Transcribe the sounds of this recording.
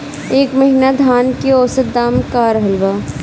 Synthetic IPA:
eːkmɐɦinad̪ʱaːnkiɔːsəd̪aːmkaːɾɦɐlʋaː

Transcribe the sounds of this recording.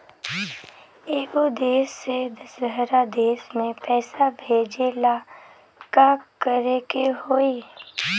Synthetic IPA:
eːkod̪eːsːed̪ɐsdʱəɾad̪eːsmẽpɛːsabʱeːd͡ʒela | kakəɾekeɦoːi

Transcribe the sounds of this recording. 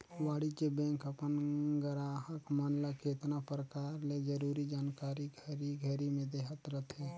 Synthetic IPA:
waːɽit͡ʃebɛ̃ŋkəpənɡəɾaɦəkmənlaket̪napɾəkaːɾled͡ʒəɾuɾid͡ʒaːnkaːɾiɡʱəɾiɡʱəɾimẽd̪eːɦət̪ɾət̪ɦɛ

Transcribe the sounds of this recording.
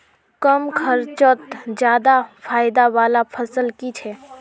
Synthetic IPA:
kəmkʰəɾt͡ʃət̪d͡ʒjaːd̪apʰaːɪd̪awaːlapʰəsəlkit͡ʃʰɛː

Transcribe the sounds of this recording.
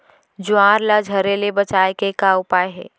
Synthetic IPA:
d͡ʒʊãːɾlad͡ʒʱɐɾelebət͡ʃaːekekaʊpaːeɦɛ̰ː

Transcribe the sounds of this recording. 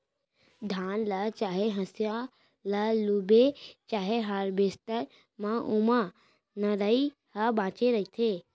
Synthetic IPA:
d̪ʱaːnlɐt͡ʃaːɦeɦə̃sja | lɐlubet͡ʃaːɦeɦaɾbeːst̪əɾ | mãʔʊmã | nəɾəi | hɐbãːt͡ʃeɾəɦit̪ʰeː

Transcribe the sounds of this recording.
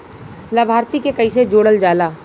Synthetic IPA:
labʱaːɾt̪ikekɐised͡ʒoːɽəld͡ʒaːlaː

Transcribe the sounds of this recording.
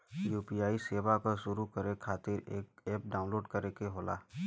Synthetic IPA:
juːpijaːiseːʋakaʃʊɾukəɾekʰːaːt̪ɪɾeːk̚eːp̚ɖaːʊ̃nloːɖkəɾekeɦoːla̰ː

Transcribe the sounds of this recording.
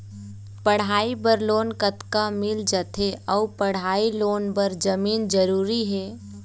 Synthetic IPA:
pəɽ̤aːibəɾloːnkət̪kamɪld͡ʒət̪ʰeʔəupəɽ̤aːiloːnbəɾd͡ʒəmiːnd͡ʒəɾuːɾiɦɛː

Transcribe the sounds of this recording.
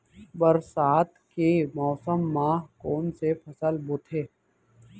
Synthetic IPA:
bəɾsaːt̪kemɔːsəmːãːkoːnsepʰɐsəlbʊt̪ʰeː

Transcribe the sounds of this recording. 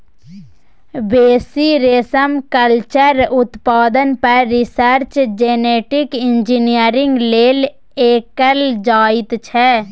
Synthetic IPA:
beːsiɾeːsəmkəlt͡ʃəɾʊt̪paːd̪ənpəɾɪsəɾt͡ʃd͡ʒeːneːʈɪkɪ̃nd͡ʒinijəɾɪ̃ŋɡleːl | eːkəld͡ʒaːɪt̪t͡ʃʰɛː

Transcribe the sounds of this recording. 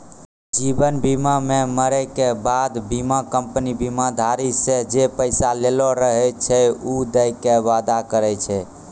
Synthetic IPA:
d͡ʒibənbimameməɾɛkebad̪bimakəmpənibimad̪ʱaɾised͡ʒepəɪsalelɔɾəɦɛt͡ʃʰɛud̪əjkeʋad̪akəɾɛt͡ʃʰɛ

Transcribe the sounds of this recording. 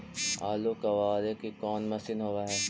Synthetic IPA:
a̰ːlokɐʋaːɾekekɔːnmɐsɪnɦoːʋaɦɛː

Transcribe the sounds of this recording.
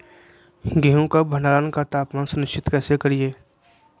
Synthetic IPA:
ɡɛːɦõkabʱə̃ɳɖaːɾaːnkat̪aːpmaːnsʊnɪt͡ʃʰɪt̪kɛːsekəɾieː

